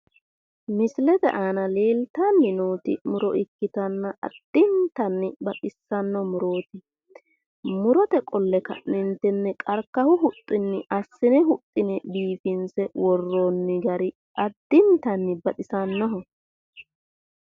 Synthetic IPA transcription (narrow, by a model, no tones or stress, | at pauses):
mɪslɛd̪ɛ̰ʔaːnɐle̞ːlt̪anːɪnoːt̪ɪ̰mʊɾɔʔɪkːɪt̪ɐnːɐʔɐ̰d̪̥ːɪnt̪ɐnːɪbɐtʼɪsːɐnːɔmʊɾo̞ːt̪ɪ | mʊɾɔt̪ɛkʼɔlːɛkɐ̰ʔnɪnt̪ɛnːɛkʼɐɾkːɐhʊɦʊt̪ʼːɪnːɪʔɐsːɪnɛɦʊt̪ʼːɪnɛbiːfɪnsɛwɔrːonːɪɡɐɾɪ | ʔɐd̪̥ːɪnt̪ɐnːɪbɐt̪ʼɪsɐnːɔɦɔ